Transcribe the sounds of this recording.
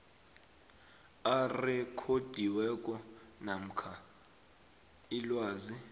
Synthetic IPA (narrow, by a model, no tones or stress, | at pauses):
arɛkʰod̥ʱiwɛkʼɔnam̩kʰa | ilwaːzi